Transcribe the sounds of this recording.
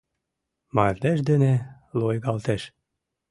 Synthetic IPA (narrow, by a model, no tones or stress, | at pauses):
mɑrleʃd̪ene | lojɣɑlt̪eʃ